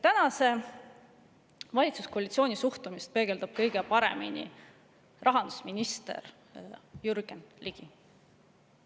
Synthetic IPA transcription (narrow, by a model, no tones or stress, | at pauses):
t̪ænɑse̞ | vɑlʲit̪su̥skoɑlʲit̪sio̞ːnʲisuht̪umist̪̚pe̞ːɡ̥e̞ld̪̥ɑb̥̚kɤjɡ̥epɑɾḛminʲḭ | rʔɑɦɑnd̪̥u̥sminʲist̪e̞̰r | jurɡ̥enliɡ̥i